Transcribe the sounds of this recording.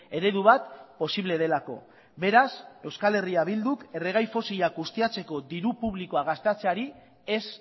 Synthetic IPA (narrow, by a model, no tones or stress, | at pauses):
e̞ɾe̞ðuβ̞at̪po̞siβle̞ð̞e̞lako̞̰ | be̞ɾase̞wskale̞riaβild̪uke̞re̞ɣ̞ajfo̞siʎakɣust̪iat͡se̞ko̞d̪iɾupuβlikoaɣ̞ast̪eat͡seaɾi | es